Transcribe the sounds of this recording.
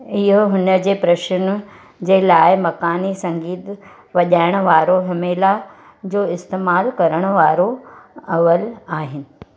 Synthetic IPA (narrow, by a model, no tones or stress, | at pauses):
ɪɦoɦʊnə̆d͡ʑeːpɾɐʃən̆ | d͡ʑeːlaːɪmɐkaːnisɐ̃ŋɡiːt̪ | ʋɐʄaːɪɽ̃̆ʋaːɾoɦɐmeːla | d͡ʑoːɪst̪eːmaːlkɐɾəɽ̃ə̆ʋaːɾoɐʋəlaːɦɪnɪ̆